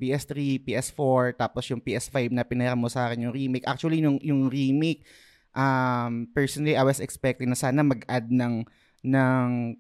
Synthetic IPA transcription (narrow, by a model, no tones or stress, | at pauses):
piːʔɛst̪ɾipiːʔɛsfoɹt̪aːposjʊŋpiːʔɛsfajbnɐpɪnɛɾɐmːosɐʔaːkɪnjʊŋɾimejkʔak̚t͡ʃuɐlinʊŋjʊŋɹimejk̚ | ʔɐmpɛɹsonɐliʔajwɐsɛkspɛk̚t̪ɪd̪nɐsaːnɐmɐɡʔad̪̚nɐŋ | nɐŋ